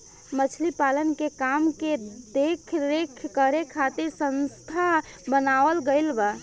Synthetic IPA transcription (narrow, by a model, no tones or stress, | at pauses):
mət͡ʃʰlipalənkekamked̪ekʰɾekʰkəɾekʰat̪iɾsə̃nst̪ʰa | bənaʋəlɡəɪlbə